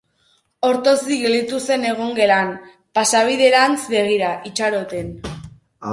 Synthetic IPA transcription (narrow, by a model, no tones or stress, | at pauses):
o̞ɾt̪o̞siɣe̞ld̪it̪use̞ne̞ɣ̞o̞ŋɡe̞lan | pasaβ̞iðe̞ɾant͡sβe̞ɣ̞iɾaʔit͡ʃaɾo̞t̪e̞n